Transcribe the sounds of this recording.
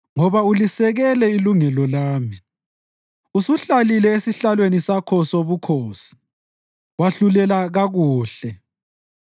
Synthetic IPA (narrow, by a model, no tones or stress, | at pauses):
ŋɔβaulisɛɣɛlɛiluŋɛlɔlaːmi | usuɬalilɛesiɬalwenisakʰɔsoβukʰoːsi̥ | waɬulɛlaɣaɣuːɬɛ